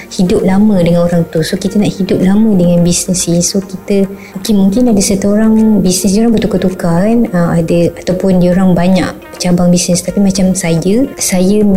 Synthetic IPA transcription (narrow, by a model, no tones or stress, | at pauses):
hidʊp̚lamə̃dəŋanoɾaŋt̪usokit̪ənaʔhidʊp̚lamə̃dəŋanbisnəsisokit̪ə | okemũŋkɪnadəsət̪uoɾaŋbisnis̬ioɾaŋbət̪ukət̪ukanəmadəat̪awpʊndioɾaŋbaɲa̰k̚ | ət͡ʃabaŋbisnəst̪apimat͡ʃamsajəsajə